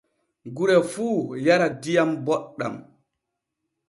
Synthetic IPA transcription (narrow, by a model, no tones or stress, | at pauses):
ɡuɾɛfuːjaɾadijambɔɗːa̰m